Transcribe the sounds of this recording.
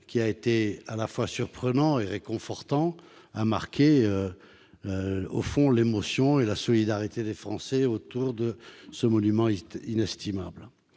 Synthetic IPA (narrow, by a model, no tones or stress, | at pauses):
kʲiaet̪ealafwasyʁpχənɑ̃eʁekɔ̃fɔʁt̪ɑ̃ | amaʁkʲeø | o̰fɔ̃lemɔsjɔ̃elasɔlid̪aʁit̪ed̪efχɑ̃sɛot̪uʁd̪əsəmɔnymɑ̃inɛst̪ʰimabl